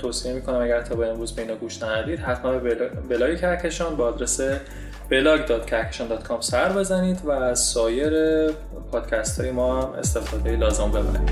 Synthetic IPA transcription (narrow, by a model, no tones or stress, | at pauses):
t̪ʰoːsie̞miːkʰonæmæɟæɾt̪ʰɒːbeemɾuːzbeiːnɒːɡuʃnænæd̪iːd̪̥hæt̪ʰmænbebelɒːjecʰæɾcʰe̞ʃɒːnbeɒːd̪ɾese | b̥e̞lɒːɡd̪ɒːt̪̚cʰæɾcʰe̞ʃɒːnd̪ɒːt̪kʰɒmsæɾbe̞zæniːd̪væːz̥sɒːje̞ɾe | pʰɒːd̪̥cʰæst̪ʰhɒːjemɒːme̞̰st̪e̞fɒːd̪ejelɒːze̞mbe̞bæ̰ɾḭd̪̥